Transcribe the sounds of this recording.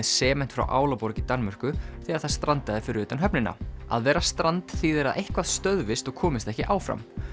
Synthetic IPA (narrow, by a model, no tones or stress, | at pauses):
ɛðsɛːmɛn̥t̪fɾa̰wʔa̰ːwlapɔɾcit̪anmar̥kʏθɪaɾ̥θaðst̪ɾant̪aðɪfɪɾɪɾʏːt̪anɦœpnɪnːa̰a̰ðvɛːɾast̪ɾant̪θiːðɛɾaðʔejhkvaðst̪œɥðvɪst̪ɔɣkʰɔːmɪst̪ɛhcɪʔaːwfɾa̰m